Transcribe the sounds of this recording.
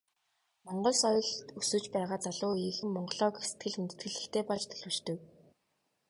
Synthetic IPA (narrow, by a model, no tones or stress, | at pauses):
mɔɴɢɞ̆ɮsɔjɞ̆ɮt̪usɵ̆t͡ɕpæːʁaːt͡saɮʊːiːxɘ̆mːɔɴɢɞ̆ɮɔːkese̥t̪ɡɘ̆ɮunt̪ɘ̥̆t̪ɡɘ̆ɮɘ̆xt̪ʰeːpɔɮt͡ɕt̪ʰɵ̥ɮwɵ̆t͡ɕt̪ɵ̆k